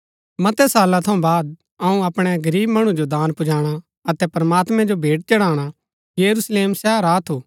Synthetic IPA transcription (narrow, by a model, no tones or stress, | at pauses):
mɐt̪ɛsaːlat̪ʰɐũbaːd̪̚ | ɐũɐpɽ̃ɛɡɐɾiːbmɐɽ̃ũd͡ʒod̪aːnpʊd͡ʒaːɽ̃a | ɐt̪ɛpɐɾmaːt̪mɛ̃d͡ʒobʱeːʈ̚t͡ʃɐɽaːɽ̃a | jɐɾusleːmsɛːɦəɾaːt̪ʰoː